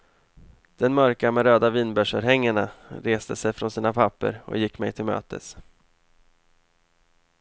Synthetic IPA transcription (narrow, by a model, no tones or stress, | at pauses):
d̪̥ɛnmœɾkamɛɾøːd̪aviːnbœʂəɾɦɛŋːaɳaɾeːst̪əsɛjfɾɔnsiːnapʰapːə̰ɾɔ̰jɪkːmɛjt̪ʰɪlmø̰ːt̪ʰə̰s